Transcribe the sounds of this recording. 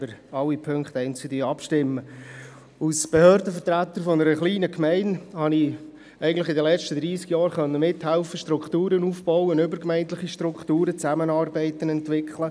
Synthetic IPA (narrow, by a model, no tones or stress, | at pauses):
bəɾɑlːipʰøŋkχt̪ɛɪnt͡sɪdiɑpʃtɪmːə | usb̥ɛhøːɾdəfətɾæt̪ːəɾfɔnəɾəχliːnəkʰmɛɪnhɑni | ɛɪɡŋ̩tlɪχɪd̪əlɛt͡ʃtəd̪ɾiːskjɑːɾχœnːəmɪthɛʊfəʃtɾʊkχt̪uːɾənuːfbɔwənʏbəɾkmɛɪnt̪ləχiʃtɾʊkχt̪uːɾət͡sæmənɑːrbɛɪt̪ənɛntʋɪkχlə